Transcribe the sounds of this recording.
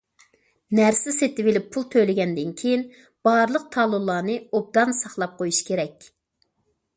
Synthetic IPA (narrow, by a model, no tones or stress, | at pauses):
næɾsɪset̪ɪbɪlɪpʰːulˠt̪ʰøjlɪɡʲɛnd̪ɪnkʲʰejin | b̥ɑɾlˠəq̚t̪ʰɑlˠulˠːɑːnɨob̚d̪ɑnsɑχlˠɑp̚qʰojuʃkʲʰeɾɛkʲ